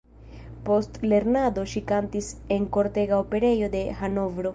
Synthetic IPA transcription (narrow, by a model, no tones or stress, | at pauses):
po̞stle̞ɾnad̪o̞ʃikantise̞ŋko̞ɾte̞ɡaope̞ɾe̞jo̞d̪e̞hano̞vɾo̞